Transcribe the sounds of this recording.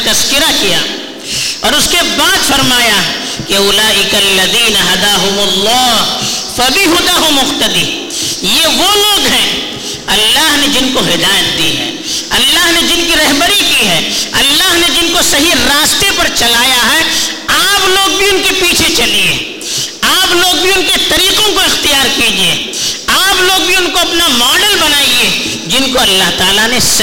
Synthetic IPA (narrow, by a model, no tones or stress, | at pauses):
t̪ɐskɪɾakija̰ː | ɔːɾʊskebaːd̪fɐɾmaːja | keʊlaːʔɪkɐlːɐðiːnɐɦɐd̪aːɦʊmʊlːɑːfɐbiɦʊd̪aɦʊmʊxt̪ɐd̪i | jeʋoloːɡɦɛ̃ː | ɐlːaːɦned͡ʒɪnkoɦɪd̪aːjət̪̚d̪iɦɛ̰̃ː | ɐlːaɦned͡ʒɪnkiɾɐɦbəɾikiɦɛːɐlːaɦned͡ʒɪnkosɐɦiɾaːst̪epɐɾt͡ʃɐlaːjaɦɛ | aːploːɡ̚bʱiʊnkepiːt͡ʃʰet͡ʃɐliḛː | aːploːɡ̚bʱiʊnket̪ɐɾiːqõkoɪxt̪ijaːɾkid͡ʒieː | aːploːɡbʱiʊnkoɐpnamɔːɖəlbɐnaːie | d͡ʒɪnkoɐlːaɦt̪aːlanes